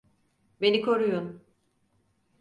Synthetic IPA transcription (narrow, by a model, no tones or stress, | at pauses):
be̞nikʰo̞ɾujun